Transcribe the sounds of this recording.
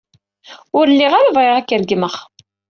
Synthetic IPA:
ʊɾəlːiʁaɾavʁeʁækːəɾɡməχ

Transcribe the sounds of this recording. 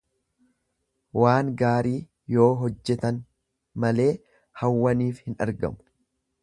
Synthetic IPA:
waːŋɡaːɾiː | jo̞ːɦɔd͡ʒːɛt̪ɐn | mɐle̞ː | hɐwːɐniːfhɪnɐ̰ɾɡɐ̰mʊ̥

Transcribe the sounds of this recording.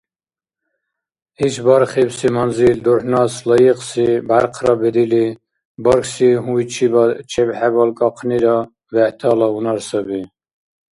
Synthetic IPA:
hit͡ʃʰbɑɾχibsimɔnzild̪ɔɾnɑslɔjiqsibaɾqʰɾɔbɛd̪ili | bɔɾksiɦujt͡ʃʰibɑt͡ʃʰɛbħɛbɔlkʼɔqʰniɾɔ | vɛt̪ʰɑlɑunɑɾsəbi

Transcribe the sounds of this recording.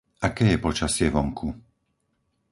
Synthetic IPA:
akɛːjɛpɔt͡ʃasɪɛʋɔŋkʰu

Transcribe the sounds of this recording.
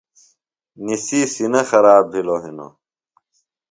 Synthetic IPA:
nisiːsinɐxɐɾaːbɦiloɦino̰

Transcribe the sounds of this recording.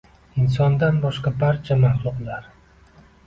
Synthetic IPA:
ɪnsɒnd̪anbɒʃqɑbaɾt͡ʃʰamaχlˠʊqlaɾ

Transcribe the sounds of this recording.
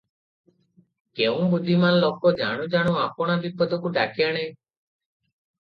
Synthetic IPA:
keũbud̪ʱːimanlɔkɔd͡ʒa̰ɽ̃ũd͡ʒaɽ̃ũapɔɽ̃abipɔd̪ɔkuʈakijaɽ̃e

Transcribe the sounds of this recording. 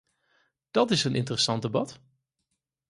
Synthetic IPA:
d̥ɑtɪsənʔɪ̰ntərəsɑnt̚dəbɑt

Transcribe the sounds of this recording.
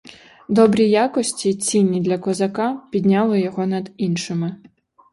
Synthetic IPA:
d̪ɔbɾʲijakɔsʲt͡sʲit͡sʲinʲːid̪lʲɐkɔzɐkapʲid̪ʲnʲalˠɔjɔɣɔnɐd̪inʃɪmɪ

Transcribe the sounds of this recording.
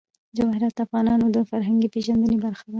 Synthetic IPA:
d͡ʒɑhɪɾat̪afɣɑnɑnod̪əfaɾɦaŋɡipeʒand̪ənebaɾxad̪a

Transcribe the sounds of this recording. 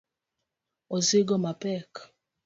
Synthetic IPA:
ozɪɡɔmapɛk

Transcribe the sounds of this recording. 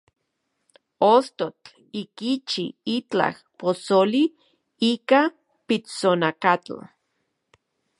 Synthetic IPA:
ost̪ot͡ɬ | ikit͡ʃiit͡ɬa̰h | posoli | ika | pit͡sonakat͡ɬa̰

